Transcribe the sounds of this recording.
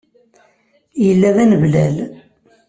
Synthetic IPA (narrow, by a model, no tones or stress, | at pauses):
jəlːæðænəvlæl